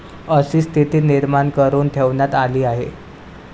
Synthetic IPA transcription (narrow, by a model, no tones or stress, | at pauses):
əsiːst̪ʰit̪iːniɾmankəɾuːnt̪ʰeʋɳjat̪aliːaɦe